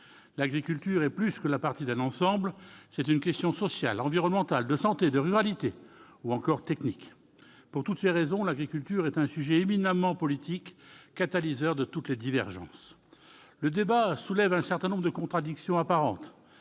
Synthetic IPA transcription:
laɡʁikʲylt̪yʁɛplyskəlapaʁt̪id̪ɛ̃nɑ̃sɑ̃blsɛt̪ynkʲɛst̪jɔ̃sɔsja̰lɑ̃viʁɔnmɑ̃t̪ald̪əsɑ̃t̪ed̪əʁyʁalit̪e | uɑ̃kɔʁt̪ɛknik | puʁt̪ut̪seʁezɔ̃laɡʁikʲylt̪yʁɛt̪ɛ̃syʒɛeminamɑ̃pɔlit̪ikːat̪alizœʁd̪ət̪ut̪led̪ivɛʁʒɑ̰̃s | ləd̪ebasulɛvɛ̃sɛʁt̪ɛ̃nɔ̃bʁd̪əkɔ̃t̪χad̪iksjɔ̃apaʁɑ̰̃t̪

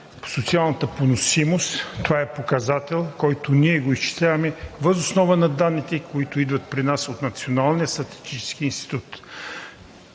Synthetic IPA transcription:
po̥sot̪sialˠnət̪əponosimost̪ːovaɛpokɐzat̪ɛlˠkɔjt̪ʊniɛɡoist͡ʃi̥t̪amɛvəzosnɔvənɐd̪anːit̪ɛkoit̪ʊid̪vɐt̪̚pɾinasot̪nɐt̪sionalˠnijəst̪ɾɐt̪i̥st̪it͡ʃɛ̥sk̟iiːnst̪i̥t̪ut̪

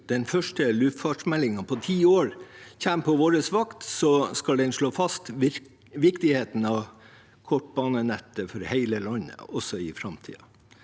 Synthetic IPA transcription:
d̪̥ɛnfœʂʈəlʉːft̪fɑʈʂmɛlːɪŋɑpʰɔt̪ʰiːoːɾçæmpʰɔʋoːɾəsʋɑkt̪sɔskɑld̪ɛnʂɭoːfɑst̪ | ʋɪɾkt̪ɪheːt̪n̩ɑʋ | kʰɔʈːbɑːnənɛt̪ːəfɔɾhæɪləlɑnːə̰ɔsɔɪfɾɑmt̪ʰḭːɑ̰

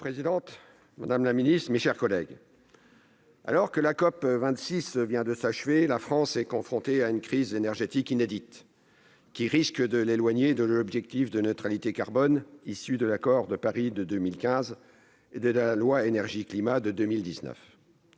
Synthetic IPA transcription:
pχezid̪ɑ̃t̪ | ma̰d̪amlaminist̪χmeʃɛʁkɔlɛɡ | a̰lɔʁkəlakɔpvɛ̃t̪sisvjɛ̃d̪əsaʃvelafχɑ̃sɛkɔ̃fχɔ̃t̪eaynkχizenɛʁʒet̪ikined̪it̪ | kʲiʁiskəd̪əlelwaɲed̪əlɔbʒɛk̚t̪ifd̪ənøt̪χalit̪ekaʁbɔnisyd̪əlakɔʁd̪əpaʁid̪əd̪ømilkʲɛ̃z | ed̪əlalwaenɛʁʒiklimad̪əd̪ømild̪iznœ̰f

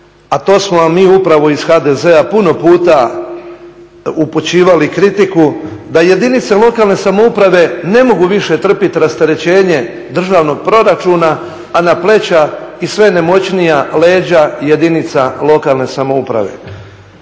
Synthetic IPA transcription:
at̪o̞ːsmomːiːupɾaʋo̞iz̥xaːd̪e̞ze̞apuno̞puːt̪a | uput͡ɕiːʋalikɾit̪ikud̪aje̞d̪init̪selˠo̞kaːlˠne̞samoupɾaʋe̞ne̞mo̞ɡuʋiʃe̞t̪r̩pit̪iɾast̪eɾe̞t͡ɕe̞ːɲe̞ | d̪r̩ʒaːʋno̞ɡ̚pɾo̞ɾat͡ʃuːnaː | naple̞t͡ɕaisʋe̞ne̞mo̞t͡ɕnijale̞ːd͡ʑaje̞d̪init̪salˠo̞kalne̞samoupɾa̰ʋe̞̰

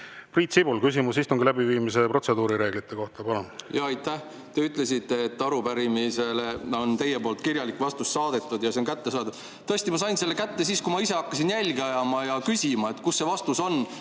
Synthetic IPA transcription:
priːt̪sibulkysimusist̪uŋɡilæbiviːmise̞pro̞t̪se̞d̪uːɾiɾe̞ːɡ̥lit̪ːˑe̞koht̪ɑpɑnonjɑɑjt̪ːˑæh | t̪eyt̪ˑle̞sit̪ːˑeːt̪ːɑɾupæɾimise̞le̞o̞nt̪e̞je̞po̞ːlt̪kirjɑlikːvɑst̪ust̪ːɑːd̪̥e̞t̪ˑːud̪jɑseonkæt̪ːe̞sɑːd̪ud̪ | t̪ɤst̪imɑsɑjnse̞lːe̞kæt̪ːe̞siːskumɑise̞ɑkːɑsinjælʲɡeɑjɑmɑjɑkysʲimɑet̪ːˑkusːe̞vɑst̪uso̞n

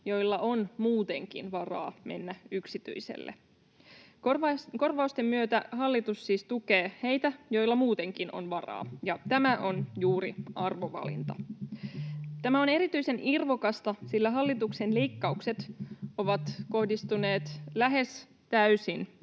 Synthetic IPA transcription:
jo̞jlːɑʔonmuːt̪e̞ŋk̟ḭnʋɑrɑ̰ːme̞̰nːæyksit̪y̰isḛlːḛ | kko̞rʋɑust̪emːyøt̪æɦɑlːit̪usːiːst̪uke̞ːhe̞jt̪æjo̞jlːɑmuːt̪e̞ŋkino̰nʋɑrɑ̰ːjɑt̪æmæʔo̞njuːɾiɑrʋo̞ʋɑ̰lḭnt̪ɑ̰ | t̪æmæo̞ne̞ɾit̪yise̞nʔirʋokɑst̪ɑsilːæɦɑlːit̪ukse̞nle̞ikːɑukse̞t̪o̞ʋɑt̪ko̞hdist̪une̞ːt̪læɦe̞s | t̪æysin

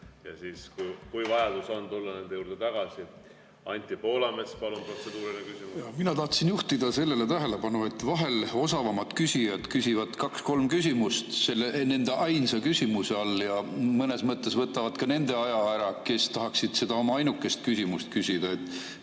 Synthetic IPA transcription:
jɑ̰siːskujkujvɑjɑd̪usɑnt̪ulːɑne̞nd̪ejuːɾd̪̥et̪ɑɡ̥ɑsi | ɑnʲt̪ʲːipo̞ːlɑmespɑlunpro̞t̪sed̪uːɾinekysimujɑminɑt̪ɑht̪sinjuht̪id̪̥ɑse̞lːe̞le̞t̪æɦe̞le̞pɑnue̞t̪ːˑvɑɦe̞lo̞sɑvɑmɑt̪kysijɑd̪̥kysʲivɑd̪̥kɑksko̞lmkysʲimust̪se̞lːene̞nd̪eʔɑjnsɑkysʲimuseɑlːjɑmɤne̞smɤt̪ːˑe̞svɤt̪ːˑɑvɑd̪̥kɑne̞nd̪̥e̞ɑjɑæɾɑke̞st̪ɑɦɑksid̪̥se̞d̪̥ɑo̞mɑɑjnukːˑe̞st̪̚kysʲimust̪̚kysʲid̪̥ɑe̞t̪ːˑ

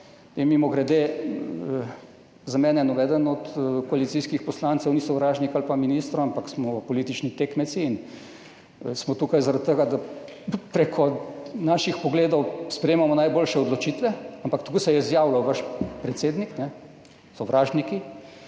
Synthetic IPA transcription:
t̪emimɔɡɾɛd̪e | zamɛːnɛnɔʋɛːd̪ənɔt̪kɔalit̪siskixpɔslansɛwnisɔwɾaːʒnikalpaminist̪ɾɔampaksmɔpɔliːt̪it͡ʃnit̪ekmɛt̪siːn | smɔt̪ukajzaɾat̪̚ːəɡad̪a | pɾekʰɔnaːʃixpɔɡleːd̪ɔwspɾɛjeːmamɔnajboːlʃɛɔd̪lɔt͡ʃiːt̪ʋɛampakt̪kosɛjɛizjaːwlawʋaʃpɾɛt̪seːd̪niknɛ | sɔʋɾaːʒniki

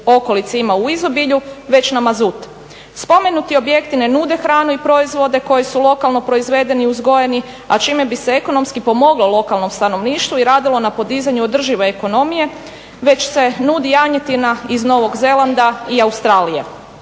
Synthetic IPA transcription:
o̞ko̞lit̪simauizo̞biʎuʋe̞t͡ɕnamazut̪ | spo̞me̞nut̪io̞bje̞kt̪ine̞nuːd̪e̞xɾaːnuipɾo̞izʋo̞d̪e̞ko̞jisulo̞kalˠno̞pɾo̞izʋe̞ːd̪e̞niuzɡo̞jeni | a̰t͡ʃiːme̞bise̞eko̞no̞mskipo̞mo̞ɡlˠo̞lˠo̞kalno̞mst̪ano̞ʋniːʃt̪ʋuiɾaːd̪ilˠo̞napo̞d̪izaɲuod̪r̩ʒiʋe̞ːko̞no̞mije̞ | ʋe̞t͡ɕse̞nuːd̪ijaɲet̪inaizno̞ʋo̞ɡze̞lˠand̪aiaust̪ɾaːlijḛ

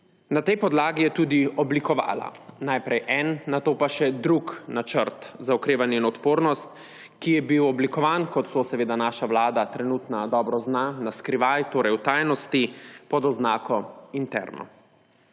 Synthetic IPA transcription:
nat̪ɛjpɔd̪laːɡijɛt̪uːd̪iɔblikɔʋa̰ːla̰najpɾɛjʔɛnːat̪oːpaʃɛd̪ɾuknat͡ʃəɾt̪zaɔkɾeːʋanjɛinɔt̪poːɾnɔst̪ | kijɛbiwɔblikɔʋaːnkɔt̪t̪ːoːsɛʋeːd̪anaːʃawlaːd̪at̪ɾɛnut̪nad̪ɔːbɾɔznanaskɾiʋajt̪oːɾɛjwt̪ajnɔst̪ipɔd̪ɔznaːkɔint̪ɛ̰ɾnɔ̰

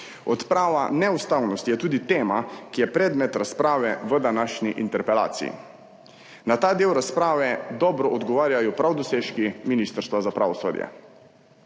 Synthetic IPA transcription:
ɔt̪pɾaːʋa̰nɛust̪awnɔst̪ijɛt̪uːd̪it̪eːmakijɛpɾɛːd̪mɛt̪ɾaspɾaːʋɛʋəd̪anaːʃniʔint̪ɛɾpɛla̰ːt̪sḭjḭ | nat̪aːd̪eːwɾaspɾaːʋɛd̪ɔːbɾɔʔɔd̪ɡɔʋaːɾjajɔpɾawd̪ɔseːʃkiminist̪əɾst̪ʋazapɾa̰ːʋɔso̰ːd̪jɛ̰

